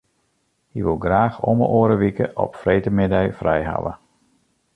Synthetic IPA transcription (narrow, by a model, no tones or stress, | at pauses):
hiʋəlˠɡraːxɔmə̰ʔoːɾəʋikə̰ʔɔ̰pfrejtəmɪdɛjfrɛjɦa̰wə̰